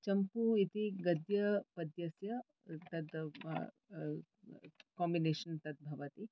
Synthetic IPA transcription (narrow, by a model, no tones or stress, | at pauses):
t͡ʃɐmpuit̪iɡɐd̪jɐpɐd̪jɐsjɐ | t̪ɐt̪ | kɔːmbineːʃɐnt̪ɐt̪̚bʱɐʋɐt̪i